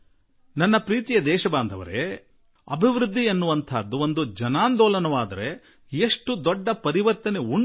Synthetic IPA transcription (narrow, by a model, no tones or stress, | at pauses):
nɐnːɐpɾiːt̪ijɐd̪ɛːʃɐbaːnd̪ʱɐʋɐ̰ɾe | ɐbʱiʋɾud̪ʱːienːuʋɐnt̪ʰaːd̪ːuo̞nd̪ud͡ʒɐnaːnd̪ɔːlɐnɐʋaːd̪ɐɾe̞ | eʂʈud̪ɔɖːɐpɐɾiʋɐɾt̪ɐne̞uɳ